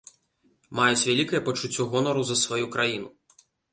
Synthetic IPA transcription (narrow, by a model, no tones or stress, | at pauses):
majut͡sʲvʲalʲikɐjɐpɐt͡ʂut͡sʲːɔɣɔnɔɾɐzɐsvajukɾajinu